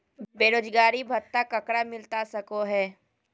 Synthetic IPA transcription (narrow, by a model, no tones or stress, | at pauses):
beːɾoːd͡ʒɡaːɾibʱɐt̪ːakɐkɽamɪlt̪asɐkoɦɛː